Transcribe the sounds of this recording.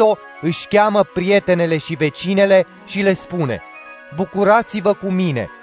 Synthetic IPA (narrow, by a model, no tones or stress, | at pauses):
o̞ | ɨʃʲkʲaməpɾije̞t̪e̞ne̞le̞ʃive̞t͡ʃine̞le̞ | ʃile̞spune̞̰ | bukuɾat̪sivəkumine̞̰